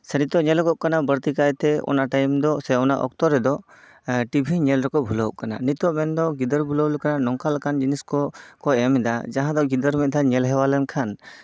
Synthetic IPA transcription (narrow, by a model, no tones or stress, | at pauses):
sɛnit̪ɔʔɲɛlkɔʔ̚kanabəɾt̪ikajt̪ɛɔ̰naʈajmd̪ɔsɛɔnaʔɔ̰k̚t̪ɔɾɛd̪ɔ | ʈibʱiɲɛlɾɛkɔbʱulɔʔ̚kananit̪ɔʔmɛnd̪ɔɡid̪əɾbʱuləwlkananɔŋkalkand͡ʒiniskɔkɔɛmɛd̪ad͡ʒaɦãd̪ɔɡid̪əɾmɛʔ̚d̪aɲɛlɦɛwalɛnkʰan